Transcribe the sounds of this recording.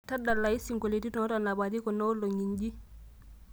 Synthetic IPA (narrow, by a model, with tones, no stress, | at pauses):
ta˦da˨lːa˨i˦si˨ŋko˨le˨ti˦tɔ˦ta˨na˨ba˨t̬i˦kɔ˨nɔ˦lo˨ɲi˨nɟi˦